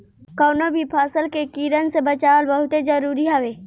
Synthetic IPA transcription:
kɔːnobʱipʰaːsəlkekiːɾənsebɐt͡ʃaːlbɐɦʊt̪ed͡ʒɐɾuːɾiɦɐʋeː

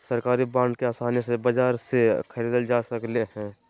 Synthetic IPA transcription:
sɐɾkaːɾibãːɳɖkeaːsaːnesebɐd͡ʒaːɾsekʰəɾiːd̪əld͡ʒaːsəkleɦɛ̃ː

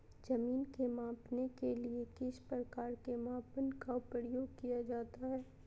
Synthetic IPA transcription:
d͡ʒɐmiːnkemãːpnekeliekɪʃpɾɐkaːɾkemãːpənkaʊpɾəjoːɡ̚kijad͡ʒaːt̪aɦɛː

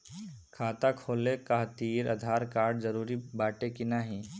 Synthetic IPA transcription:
kʰaːt̪akʰoːlekaɦt̪iːɾɐ̰d̪ʱaːɾkaːɾɖzɐɾuːɾibaːʈekinaɦĩ

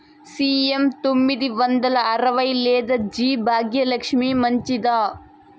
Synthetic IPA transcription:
siːemt̪omːid̪iʋɐnd̪ɐlɐɐɾɐʋɐjleːd̪ɐd͡ʒiːbʱaːɡjɐlɐkʂmiːmɐɲt͡ʃid̪aː

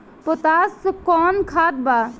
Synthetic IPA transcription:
pɔt̪askɔnkʰat̪̚ba

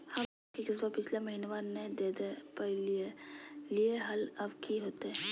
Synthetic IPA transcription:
hɐ | kekɪs̬bapɪt͡ʃʰlemɐɦiːnʋaned̪eːd̪epəlielieɦɐlɐbkʰiɦoːt̪eɦɛ̃

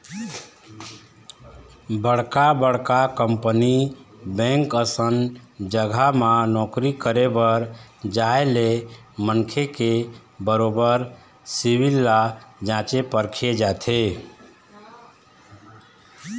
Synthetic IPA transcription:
bəɽkabəɽ̤kakəmpnibɛ̃ŋkəsənd͡ʒəɡʱamãnɔkɾikəɾebəɾd͡ʒaele | mənkʰeke | bəɾobəɾ | sibilːad͡ʒãt͡ʃepəɾkʰed͡ʒat̪ʰe

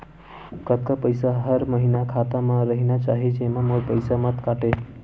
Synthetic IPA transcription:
kət̪̚kəpəjsaɦəɾməɦinakʰat̪amãɾəɦinat͡ʃaɦet͡ʃʰemãmoɽpəjsamət̪kaʈe

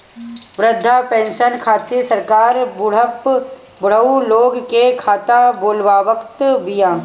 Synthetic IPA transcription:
ʋɾəd̪ʱːapɛ̃ːnʃənkʰaːt̪isəɾkaːɾbʊɽ̤əp | bʊɽ̤əuloːɡkekʰaːt̪aboːlʋaːʋəkt̪bijãː

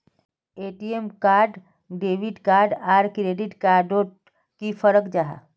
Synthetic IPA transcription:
eːʈiemkaːɾɖ | ɖeːʋiɖkaːɾɖaːɾkɾeːɖɪʈkaːɾɖoʈ | kifʰəɾəkd͡ʒaɦa̰

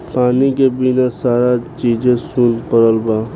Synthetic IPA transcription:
paːnikebinasaːɾat͡ʃiːd͡ʒẽsunpəɾəlbaː

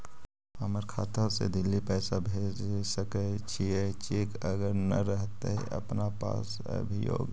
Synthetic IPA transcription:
aməɾkʰaːt̪asḛd̪ɪlːipɛːsabʱeːd͡ʒsəkət͡ʃʰiet͡ʃekəɡəɾnɐ̰ɾəɦt̪eɦɛ̰ʔɐ̰pnapa̰ːs | ə̰bʱijo̰ːɡ

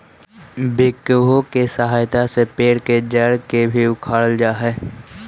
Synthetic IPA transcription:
bɪkbõkesəɦaːjt̪asepeːɽked͡ʒəɽkebʱiʊkʰaːɽəld͡ʒaːɦɛː

